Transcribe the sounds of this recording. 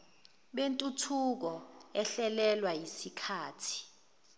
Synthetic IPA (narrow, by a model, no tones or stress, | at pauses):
ɓentʼutʰuk̬ɔɛɬɛlɛlwajisikʰaːtʰi̥